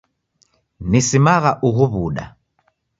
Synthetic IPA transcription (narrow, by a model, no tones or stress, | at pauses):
nisimaɣaʔuɣuβuɗa̰